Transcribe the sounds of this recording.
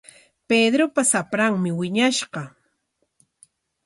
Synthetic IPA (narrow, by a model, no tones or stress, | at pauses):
ped̪ɾopasapɾaŋmɪwɪɲaʃɢɑ